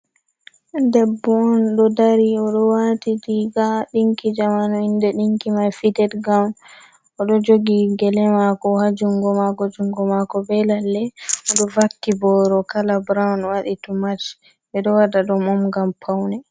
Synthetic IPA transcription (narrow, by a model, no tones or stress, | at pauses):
dɛbːɔɔnɗɔdaɾiɔɗɔwatitiɡaɗiŋkid͡ʒamanɔindɛɗiŋkimajfidɛtɡawn | ɔɗɔd͡ʒoɡiɡɛlɛmakɔhad͡ʒuŋɡɔmakɔd͡ʒuŋɡɔmakɔbɛlalːɛɔɗɔvakːibɔɾɔkalabɾawnwaɗitumat͡ʃ | ɓɛɗɔwadaɗɔmɔmɡampʰawnɛ